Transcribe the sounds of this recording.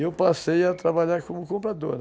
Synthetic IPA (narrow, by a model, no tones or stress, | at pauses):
ewpasejat̪ɾabaʎaɾkõmʊkõmpɾad̪oɾ